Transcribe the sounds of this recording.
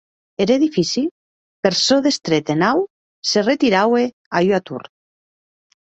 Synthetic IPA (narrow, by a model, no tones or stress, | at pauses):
eɾeðifisi | peɾsoðest̪ɾet̪enaw | seret̪iɾawe | ajwat̪ṵɾ